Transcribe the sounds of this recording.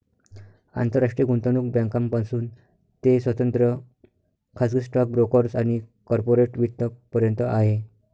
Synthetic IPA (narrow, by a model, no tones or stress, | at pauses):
a̰nt̪əɾaʂʈɾiɡuɳt̪anuːk̚bjãŋkampasuːn | t̪esʋət̪ənt̪ɾə | kʰaskisʈak̚bɾokəɾsaɽ̃ikɔɾpoɾeʈʋit̪ːək̚pəɾjənt̪əʔaɦe